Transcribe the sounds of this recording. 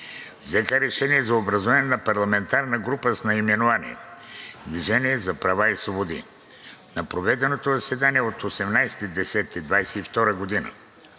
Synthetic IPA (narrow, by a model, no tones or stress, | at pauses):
vzɛkəɾɛʃɛniɛzɐobɾɐzovanɛnɐpɐɾlˠɐmɛnt̪aɾnəɡɾupəsnɐimɛnovanḭ | d̪viʒɛniɛzɐpɾɐvaisvˠobod̪ḭ | nɐpɾovɛd̪ɛnot̪ozɐsɛd̪aniɛot̪osɛmnajsɛ̥t̪id̪ɛsɛt̪id̪vajsɛift̪ɔɾəɡod̪inə̰